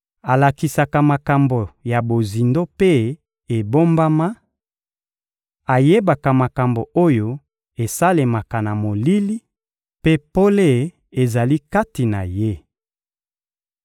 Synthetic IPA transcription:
a˨la˨ki˨sa˨ka˨ma˨ka˨mbo˨ja˨bo˨zi˨ndo˦pe˦ | e˨bo˦mba˦ma˦ | a˨je˦ba˨ka˨ma˨ka˨mbo˨o˦jo˦ | e˨sa˦le˨ma˨ka˨na˨mo˨li˦li˦ | pe˦po˦le˦ | e˨za˨li˦ka˦ti˨na˨je˦

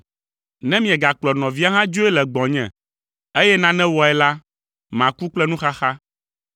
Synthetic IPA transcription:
nɛ̃˦mĩ˨ɛ̃˨ɡa˨k͡plɔ˨nɔ̃˨vi˦a˦ɦã˦d͡ʒo˦ɛ˦lɛ˨ɡ͡bɔ̃˨ɲɛ̰̃˨ | e˦jɛ˦nã˦nɛ̃˦wɔ˨ɛ˨la˦ | mã˨ku˦k͡plɛ˦nũ˦xa˦xa˦

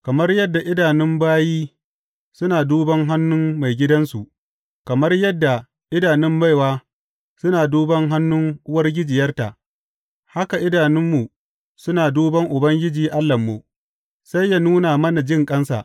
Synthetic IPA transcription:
kɐ˨mɐ˦rjɐ˦dːa˨ʔɪ˦daː˨nɪ˦mbaː˦jiː˦ | sʊ˦naː˨duː˦bɐ˦ŋɦa˦nːʊ˦mma˨jɡʲɪ˦dɐ˦nsu˨ʔ | kɐ˨mɐ˦rjɐ˦dːa˨ | ʔɪ˦daː˨nɪ˦mba˦jwaː˦ | sʊ˦naː˨duː˦bɐ˦ŋɦa˦nːʊ˦ŋʔʊ˦wɐ˦rɡʲɪ˦d͡ʒɪ˨jɐ˦rta̰˨ʔ | ha˦ka˨ʔɪ˦daː˨nɪ˦mːu˨ | sʊ˦naː˨duː˦bɐ˦ŋʔʊ˨bɐ˦ŋɡʲɪ˦d͡ʒiː˨ʔa˦lːɐ˨mːu˨ | sa˦jjːa˦nuː˦naː˨mɐ˦na˨d͡ʒɪ˦˨ŋkʼɐ˦nsa̰˨ʔ

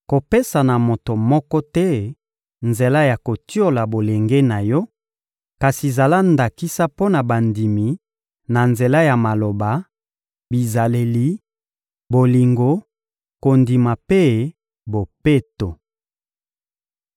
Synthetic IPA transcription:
ko˨pe˦sa˨na˨mo˨to˨mɔ˦kɔ˦tɛ˦ | nze˨la˦ja˨ko˨ti˦o˦la˨bo˨le˨ŋɡe˦na˨jɔ˦ | ka˨si˨za˨la˦nda˨ki˦sa˦po˦na˨ba˨ndi˨mi˨ | na˨nze˨la˦ja˨ma˨lo˨ba˨ | bi˨za˨le˨li˦ | bo˨li˨ŋɡo˨˦ | ko˨ndi˨ma˨pe˦ | bo˨pe˦to˨

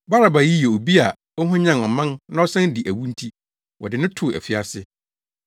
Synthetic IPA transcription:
ba˦ɾa˨ba˨ji˦je˨o˨bi˦a˨ | ɔ˦ɦʊ̃˦ɲã˦˨nɔ˨mã˦nnã˦ɔ˦sɛ̃˦n˦dɪ˨ʔæ˨wũ˦n̩˦tʰi˦ | wʔɔ̰˨dɪ˨nɪ̃˦tʰʊ˨ɛ̰˨fi˦a˨sɪ˦

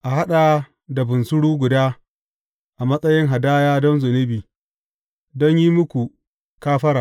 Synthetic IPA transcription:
ʔa˨ɦa˦ɗaː˨ | da˨bʊ˨nsʊ˦ɽuː˦ɡʷʊ˨daː˦ | ʔa˨mɐ˦sʼɐ˦jɪ˦ŋɦa˨daː˦jaː˦dɔ˦nzʊ˨nɪ˦biː˨ | dɔ˦ɲji˦mʊ˦kʷu˨ | kaː˦ɸɐ˦ɾa˨

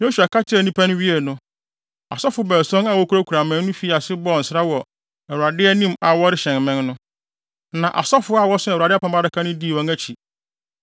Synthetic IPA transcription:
nɛ̃˦ɕu˨a˨ka˦tʰɪ˦ɛ˨nĩ˦pʰæ˦nʊ̃˦ɥi˦ɛ˨nʊ̃˦ | a̰˨sɔ˦fʊ˨˦bɛ˨sɔ̃˦na˨wɔ˦kʰu˦ɾa˦kʰu˨ɾa˨mɛ̃˦n˦nʊ̃˦fi˨˦˨a˨sɪ˦bɔ˦˨n̩˨sɾa˦wɔ˨ | ɛ˨wu˨ɾa˨dɪ˦ɛ˦nĩ˦ma˨wɔ˦ɾɪ˦ɕɛ̃˨nmɛ̃˦nnʊ̃˦ | nã˨ʔa̰˨sɔ˦fʊ˦a˨wɔ˦sɪ˦˨a˨dɪ˦pʰã˨mba˦ɾɪ˨kʰa˦nʊ̃˦di˦˨wɔ̃˦næ˦t͡ɕʰi˨

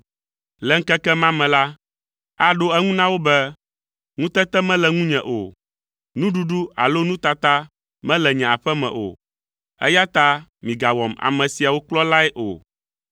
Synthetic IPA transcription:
lɛ˨˦ŋ̩˦kɛ˦kɛ˦mã˦mɛ̃˨la˦ | a˦ɖo˦ɛ˦ŋũ˦nã˦wo˦bɛ˦ | ŋũ˦t̪ɛ˦t̪ɛ˦mɛ̃˦lɛ˨ŋũ˦ɲɛ̰̃˨ʔo̰˨ | nũ˦ɖu˦ɖu˦a̰˨lo˦nũ˦t̪a˨t̪a˦ | mɛ̃˦lɛ˨ɲɛ̃˨a˨ɸɛ˦mɛ̰̃˨ʔo̰˨ | ɛ̰˦ja˦t̪a˦mĩ˨ɡa˨wɔ˨ma̰˨mɛ̃˨si˨a˨wo˦klɔ˦la˦ɛ˦ʔo̰˨

